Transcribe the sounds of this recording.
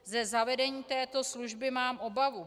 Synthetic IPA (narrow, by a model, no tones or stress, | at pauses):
zɛzavɛdɛɲiːt̪ɛːt̪o̞sluʒbɪmaːmʔo̞bavu